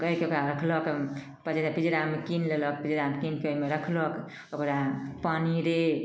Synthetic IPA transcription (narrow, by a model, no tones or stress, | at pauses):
əjkeokɾaɾəkʰlək | pəd͡ʒeɾapid͡ʒɾamekinlelək̚pid͡ʒɾamekinkeoimeɾəkʰlək | okɾapaniɾe